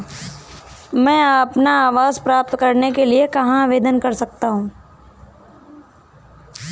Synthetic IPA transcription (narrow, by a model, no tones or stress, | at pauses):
mɛ̃ːɐpnaaːʋaːzpɾaːp̚t̪kɐɾnekeliekɐɦãʋeːd̪ənkɐɾsɐk̚t̪aɦũː